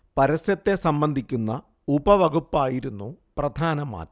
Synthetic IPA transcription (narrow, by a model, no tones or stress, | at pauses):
pɐɾɐsjɐt̪ːe̞sɐmbɐnd̪ʱikʲːunːɐ | ubɐʋɐɡupːaːjiɾunːuprɐd̪ʱaːnɐma̰ːtː